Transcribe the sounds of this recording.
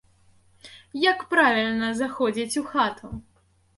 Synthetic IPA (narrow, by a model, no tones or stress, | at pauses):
jakpɾavʲilʲnɐzaxɔd͡zʲit͡sʲuxat̪ʰu